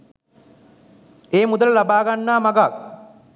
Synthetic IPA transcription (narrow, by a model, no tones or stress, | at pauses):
eːmud̪ələlabaːɡanːaːmaɡak̚